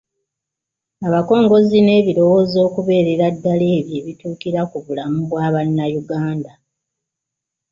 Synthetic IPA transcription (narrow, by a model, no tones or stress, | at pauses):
aβako̞ːŋɡo̞zine̞ːβiɾo̞wo̞ːzo̞ːkuβe̞ːɾe̞ɾadːaleːβje̞ːβituːkiɾakuβulamuβwaːβanːajuɡaːnda